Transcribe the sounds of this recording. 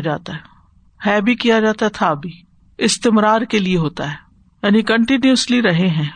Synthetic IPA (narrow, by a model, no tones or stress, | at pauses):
d͡ʒa̰ːt̪aɦɛː | hɛːbʱikijad͡ʒaːt̪aɦɛt̪ʰabʱiː | ɪst̪ɪmɾaːɾkelieɦoːt̪aɦɛː | jaːnikə̃ɳʈɪnjuəsliɾɐɦeɦɛ̃ː